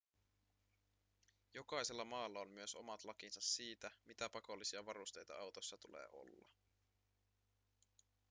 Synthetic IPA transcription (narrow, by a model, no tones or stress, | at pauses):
jo̞kɑjse̞lːɑmɑːlːɑomːyøso̞̰mɑt̪lɑk̟insɑsːiːt̪æmit̪æpɑko̞lːisiɑʋɑɾust̪e̞jt̪ɑ̰ɑwt̪o̞sːɑt̪ulḛːʔo̞̰lːɑ̰